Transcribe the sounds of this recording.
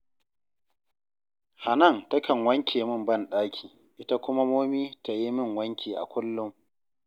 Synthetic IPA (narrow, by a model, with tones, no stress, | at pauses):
ha˨nɐ˦˨ntɐ˦kʰɐ˨ŋwɐ˦ŋkʲʰeː˨mɪ˦mbɐ˦˨nɗaː˦kʲʰiː˨ | ʔɪ˦ta˦kʷʊ˦ma˦moː˦miː˦ta˨ji˦mɪ˦˨ŋwɐ˦ŋkʲiː˨ʔa̰˨kʷʊ˦lːʊ˦m